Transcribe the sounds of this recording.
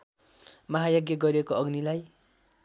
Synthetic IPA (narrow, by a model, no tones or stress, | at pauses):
mʌɦajʌɡjʌɡʌɾekoʌɡnilaj